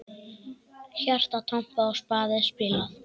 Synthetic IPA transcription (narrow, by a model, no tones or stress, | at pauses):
çar̥t̪at̪ʰɔm̥paɔwspaːðɪspɪla